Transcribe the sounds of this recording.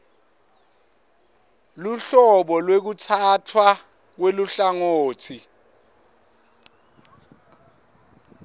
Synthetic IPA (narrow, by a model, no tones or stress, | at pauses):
luɬɔɓɔlwek̬utʰatʰwa | k̬weluɬaŋoːtʰi